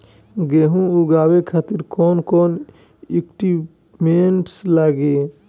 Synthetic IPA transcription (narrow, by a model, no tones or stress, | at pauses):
ɡeɦũuɡaːwekʰaːt̪iɾkoːnkoːn | ikʈi | meɳʈslaːɡeː